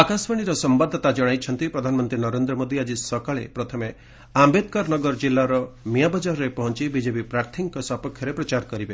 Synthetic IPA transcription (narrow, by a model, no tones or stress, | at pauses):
akasbaɽ̃iɾɔsɔmbad̪ʱːɔt̪ad͡ʒɔɽ̃ajt͡ʃʰɔnt̪ipɾɔd̪ʱanɔmɔnt̪ɾinɔɾend̪ɾɔmod̪iad͡ʒisɔkaɭḛpɾɔt̪ʰɔme | ambed̪̚kaɾnɔɡɔɾɔd͡ʒilːaɾɔmiabɔd͡ʒaɾɔɾepɔɦɔnt͡ʃibid͡ʒepipɾaɾt̪ʰiŋkɔsɔpɔkʰːjɔɾepɾɔt͡ʃaɾkɔɾibe